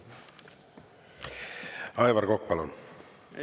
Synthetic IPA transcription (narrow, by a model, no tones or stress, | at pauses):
ɑjvɑrkok̚pɑlon